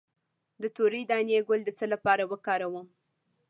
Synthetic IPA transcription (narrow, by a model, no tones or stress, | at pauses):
d̪ət̪oɾijd̪ɑnjeɡʊld̪ət͡səlapɑɾawəkɑɾawəm